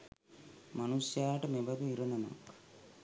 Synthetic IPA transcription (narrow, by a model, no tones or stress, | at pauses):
mɐnusjaːʈɐmebɐd̪uiɾɐnɐno̰k